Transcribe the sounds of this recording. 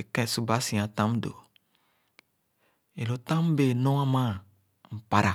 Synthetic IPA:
e˨kɛ̃˦˨su˦ba˨˦sĩ˨ã˨tã˦m˦do̰˨ | e˨lo˨tã˦m˦be˨nɔ̃˦ã˦mã˦˨ | m̩˨pa˨ɾa˨

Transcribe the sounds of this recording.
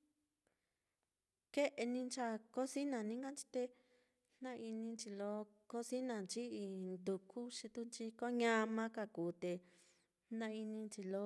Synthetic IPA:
ke˦ʔe˧nĩ˧nt͡ʃa˧ko˦si˦nã˨nĩ˦ŋɡa˦nt͡ʃi̥˧t̪e˧ | n̥nã˦ʔi˧nĩ˧nt͡ʃi˧lo˧˦ | ko˦si˦nã˨nt͡ʃi˦i˧nd̪u˨kʰu˦ʂi˧t̪u˦nt͡ʃi˧ko˦ɲã˧mã˦ka˧˨kuː˨t̪e˧ | nã˧i˧nĩ˧nt͡ʃi˧lo˦

